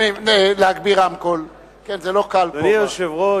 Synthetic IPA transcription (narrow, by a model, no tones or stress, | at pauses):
imeleaɡbiʁamkol | kenzelo̞kalpanioʃevʁo